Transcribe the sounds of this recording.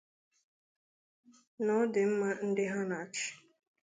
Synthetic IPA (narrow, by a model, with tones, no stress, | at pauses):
nɔ˨˦dɪ˨m̩˦ma˦n̩˦dɪ˦ɦa˦na˨t͡ʃɪ̥˨